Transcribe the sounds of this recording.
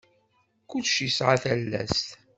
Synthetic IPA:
kʊʃisʕaθælːæ̰st̪

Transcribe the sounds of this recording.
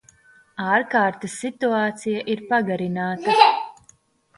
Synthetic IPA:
aːɾkaːɾt̪ɐsːit̪uaːt̪sijaʔiɾpaɡaɾinaːt̪ɐ

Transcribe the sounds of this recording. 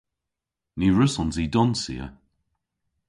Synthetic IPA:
niɹəsɔnzidɔnsḭə̰

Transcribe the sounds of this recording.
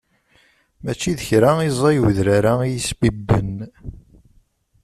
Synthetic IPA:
mæt͡ʃːiðəçɾaizˤɑjwðɾaɾaijisbibːən

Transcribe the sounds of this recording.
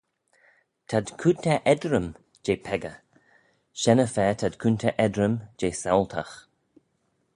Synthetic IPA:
t̪ʰad̪kʰunt̪ʰɛʔɛd̪ɾəm | d͡ʒeːpʰɛɡə | ʃɛnəfɛːt̪ʰad̪kʰunt̪ʰɛʔɛd̪ɾəmd͡ʒeːsɛwlt̪ʰax

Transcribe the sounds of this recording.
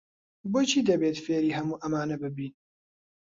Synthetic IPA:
boːt͡ʃʰiːd̪ɐbeːt̪feːɾiːɦɐmuːʔɐmaːnɐbɨbiːn

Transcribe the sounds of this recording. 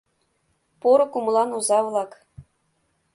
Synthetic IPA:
poɾɤ̆kum̆lˠɑnuzɑʋlˠɑk

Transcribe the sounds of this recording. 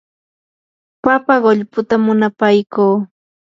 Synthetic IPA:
papaɢoʎpʊt̪amʊnapajkuː

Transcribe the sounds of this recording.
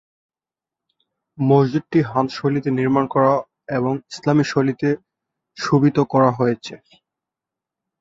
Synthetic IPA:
mod͡ʑd͡ʑud̪̚ʈiɦat̪ʃolit̪eniɾmankɔɾa | eboŋislamiʃolit̪e | ʃubit̪okɔɾaɦojet͡ɕʰe

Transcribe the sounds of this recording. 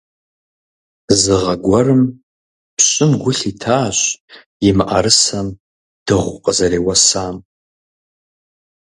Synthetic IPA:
zɨʁaɡʷarɨm | pʰɕʷʼɨmɡʷʊɬitʰaːɕʷ | jimʔaɾɨsam | d̥ɨʁʷqʼazaɾeːwasaːm

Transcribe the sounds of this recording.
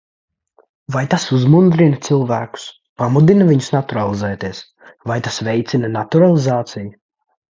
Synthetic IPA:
vajt̪asuzmund̪ɾint̪sɨlˠvæːku̥s | pamud̪inavʲiɲʊsnat̪uɾalˠizɛːt̪iɛs | vajt̪asvɛjt̪sinanat̪uɾalˠizaːt̪siju

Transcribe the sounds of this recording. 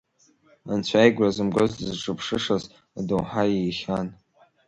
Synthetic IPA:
a̰nt͡ɕʷʰajɡʷrazɨmɡʷazdzʈ͡ʂʼɨpʰʂɨʂaz | adowħajejχʲan

